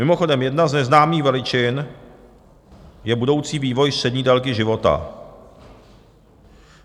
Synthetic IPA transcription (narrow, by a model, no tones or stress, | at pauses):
mɪmoxo̞dɛmjɛdnaznɛznaːmiːxvɛlɪt͡ʃɪn | jɛbudo̞wt͡siːviːvo̞jstr̥ɛdɲiːdɛlkɪʒɪvo̞t̪a̰